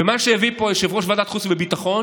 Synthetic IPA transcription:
emaʃejavipojeʃevʁoʃvad̪at̪χusbebit̪aχo̞n

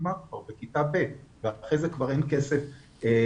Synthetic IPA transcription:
mavaʁbekitabetveaχejzekvaʁenkesef | e

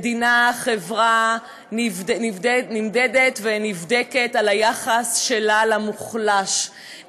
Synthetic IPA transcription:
d̪inaχevʁa | nninimded̪et̪venivd̪eke̞talajaχasʃelalamuχlaʃ

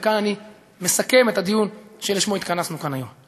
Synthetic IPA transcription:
kanani | me̞sake̞me̞t̪ad̪ijunʃeleʃmo̞it̪kanasnukanajo̞m

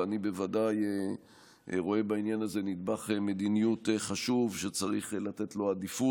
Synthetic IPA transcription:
anibe̞vadaje | ʁo̞e̞bainjanaze̞nid̪baχeme̞d̪inijuteχaʃuvʃet͡saʁiχlat̪e̞t̪lo̞ad̪ifu

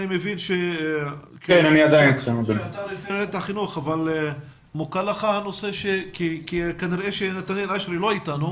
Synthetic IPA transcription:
nimevinʃe | kkenaniad̪ajinemubet̪alefiɾet̪aχinuχaval | mukalaχahano̞se̞ʃekikikaniʁeʃenat̪anjalaʃɾilo̞itanu

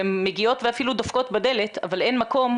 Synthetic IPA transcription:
emːeɡio̞t̪veafilud̪afko̞t̪bad̪e̞le̞t̪a̰vale̞nmako̞m

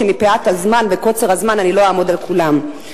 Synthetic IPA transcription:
emipeat̪hazmanveko̞t͡se̞ʁhazmananilo̞aːmo̞dalkulam

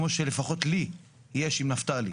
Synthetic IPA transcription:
moʃele̞faχo̞tli | jeʃimnaft̪alḭ

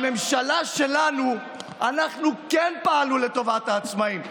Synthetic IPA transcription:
me̞mʃalaʃe̞lanu | anaχnukɛnpaːlule̞to̞vataːt͡smaim

